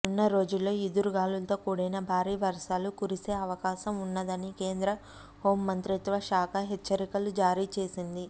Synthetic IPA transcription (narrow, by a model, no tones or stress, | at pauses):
unːɐɾo̞ːd͡ʒulːo̞ːid̪uɾuɡaːlult̪oːkuːɽɐjnɐbʱaːɾiːʋɐɾʂaːlukuɾiseːɐʋɐkaːʃɐmunːɐd̪ɐnike̞ːnd̪ɾɐ | ho̞ːmːɐnt̪ɾit̪ʋɐʃaːkʰɐɦet͡ʃːɐɾikɐlud͡ʒaːɾiːt͡ʃe̞ːsind̪i